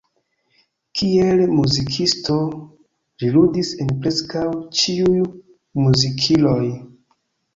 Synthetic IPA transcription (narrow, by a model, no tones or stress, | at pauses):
kʰielmuzikʰisto̞ | liludise̞npɾe̞skawt͡ʃiuj | muzikʰilo̞j